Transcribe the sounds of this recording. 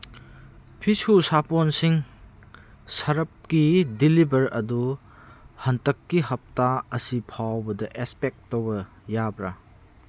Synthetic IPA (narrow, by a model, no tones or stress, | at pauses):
pʰisusaponsiŋ | sɐɾɐp̚kidilibɐɾɐdu | hɐntɐkːiɦɐp̚taɐsipʰawbɐdɐʔespek̚tːowbɐ | jabɾa